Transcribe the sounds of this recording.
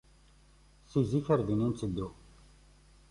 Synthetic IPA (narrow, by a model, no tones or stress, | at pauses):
sizifəɾðinint͡sːəd̪ːu